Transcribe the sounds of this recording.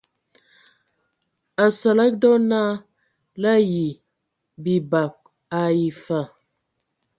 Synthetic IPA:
a˨sa˨la˦k̚dɔ˦na˦ | la˦ji˨ | bi˨ba˨k̚ | a˨ji˨fa˨

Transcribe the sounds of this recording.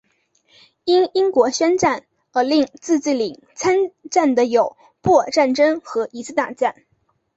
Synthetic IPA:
i˥ni˥ŋkwɔ˧˥ɕɛ˥nʈ͡ʂa˥˩n | ə˞˧˥li˥˧ŋt͡sɹ̩˥˧t͡si˥˩li˨˩˦ŋ | t͡sʰa˥nʈ͡ʂa˥˩nd̪ə˦jo˨˩ʊ | pwɔ˥˩ʈ͡ʂa˥˩nʈ͡ʂɤ˥ŋxɤ˧˥ʔi˧˥sɹ̩˥˧t̪a˥˩ʈ͡ʂa˥˩n

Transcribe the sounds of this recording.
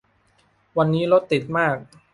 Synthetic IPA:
wa˧nːiː˦˥lo˦˥t̪ːi˨˩t̪̚maː˥˩k̚

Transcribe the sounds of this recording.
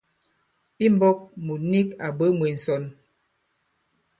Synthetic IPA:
i˦m˦bɔ˦k̚mu˨ni˦ka˨bə˦mwi˨n̩˨sɔ˨n

